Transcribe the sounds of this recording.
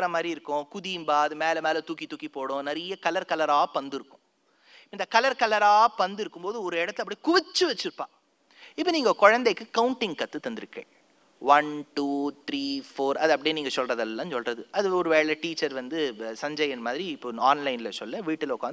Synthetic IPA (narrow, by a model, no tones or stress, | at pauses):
ɾɐmaːd̪ɾiɪɾɯkːʊ̃kʊðiːmbaːɐðɯmeːlɐmeːlɐt̪uːkːit̪uːkːipoːɽʊ̃nɐɾɪjɐkɐlɐɾkɐlɐɾaːpɐnd̪ɯɾɯkːʊ̥̃ | ɪpːoɪnd̪ɐkɐlɐɾkɐlɐɾaːɐpɐnd̪ɪɾɯkːɯmboːðɯɔɾɯɛɽɐt̪ːɯlɐpːɐɽikʊʋɪt͡ʃːɯʋɛt͡ʃːɪɾɯpːã̰ː | ɪpːoniːŋɡɐkɔɻɐnd̪ɐɪkːɯkɐwʊɳʈɪŋɡkɐt̪ːɯt̪ːɐnd̪ɪɾɯkːḛː | ʋɐnʈuːt̪ɾiːfoːɾɐðɯɐpːɐɽiniːŋɡɐsɔlrɐðɐllːãːnsɔlrɐðɯɐðɯɔɾɯʋeːɭɛʈiːt͡ʃːɐɾʋɐnd̪ɯsɐɲd͡ʒɐjɐnmaːðɪɾiɪpːoaːnlɐɪnɪlɐsɔlːɐʋiːʈːɪlʊkːaːn